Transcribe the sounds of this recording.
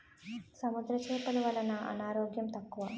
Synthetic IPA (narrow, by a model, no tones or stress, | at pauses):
sɐmud̪ɾɐt͡ʃeːt̪ɐlɐʋɐlɐnɐʔɐ̰naːɾoːɡjɐmt̪ɐkːuʋɐ